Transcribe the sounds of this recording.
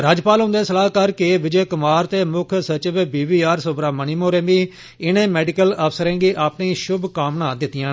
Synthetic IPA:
ɾaːd͡ʒpaːlɦʊ̃nd̪eːsəlaːɦkəɾkeʋɪd͡ʒeːkʊmaːɾt̪eːmʊkʰsət͡ʃɪʋbiːʋiːaːɾsoːbɾaːməniːmoːɾẽːbiː | ɪnẽːmɛːɖɪkələːpʰsəɾɛ̃ːɡiːʔaːpɳiːʃʊbkaːmnãːd̪ɪt̪ːɪjãː

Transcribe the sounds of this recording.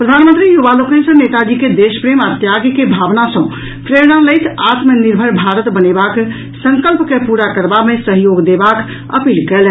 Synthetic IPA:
pɾəd̪ʱanmənt̪ɾijuʋalokẽnsə̃net̪ad͡ʒiked̪espɾemat̪jaɡjkebʱabnasə̃ | pʰɾeɾnãləjt̪ʰat̪meniɾbʱəɾbʱaɾət̪bənebak | sə̃ŋkəlpkepuɾakəɾbamesəɦjoɡd̪ebak | ə̰pilkɛl

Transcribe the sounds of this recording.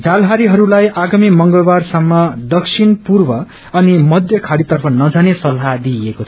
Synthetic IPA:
d͡zalɦaɾiɦʌɾulajʔaɡamimʌŋɡʌɭbarsʌmːʌd̪ʌksʰinpurbʌ | ʌnimʌd̪jʌkʰaɽit̪ʌrpʰʌnʌd͡zanesʌlɦad̪iekot͡sʰʌ

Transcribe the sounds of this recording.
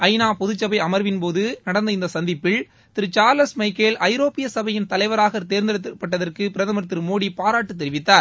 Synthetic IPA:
ɐɪnaːpɔðɯt͡ʃːɐbɐɪɐmɐɾʋɪnpoːðɯnɐɽɐnd̪ɐɪnd̪ɐsɐnd̪ɪpːɪl | t̪ɪɾɯt͡ʃaːɾlɐsmɐɪkːeːlʔɐɪɾoːpɪjɐsɐbɐjɪnt̪ɐlɐɪʋɐɾaːɣɐt̪eːɾnd̪ɪɽɐt̪ːpːɐʈːɐðɐrkɯpɪɾɐðɐmɐɾt̪ːɪɾɯmoːɽipaːɾaːʈːɯt̪̬ːɛɾɪʋɪt̪ːaːɾ

